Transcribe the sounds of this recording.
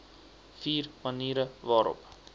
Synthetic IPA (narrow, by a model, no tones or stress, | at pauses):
fiːrmɐniːɾəvɑːɾɔ̰p